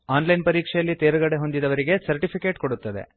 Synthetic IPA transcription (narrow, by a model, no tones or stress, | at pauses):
aːnlɐjnpɐɾiːkʂɛjɐlːit̪eːɾɐɡɐɽeɦo̞nd̪id̪ɐʋɐɾiɡe̞sɐɾʈipʰike̞ːʈkoɽut̪ːɐd̪e̞̰